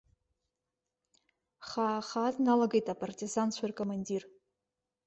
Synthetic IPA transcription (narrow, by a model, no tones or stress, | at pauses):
χaːχadnalaɡejtʼapʼartʼizant͡ɕʷʰairkʼomandir